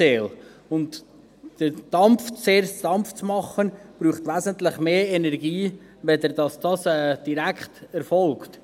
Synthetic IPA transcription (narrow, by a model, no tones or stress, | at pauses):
eːl | ʊnt | d̥əd̥ɑmft͡seːɾd̥ɑmft͡smɑχənb̥ɾuːχtʋæzəntlɪχmeːɛnɛɾɡiː | vɛd̪ɛɾdɑsd̥ɑsɛːd̥iɾækχtɛɾfɔlkt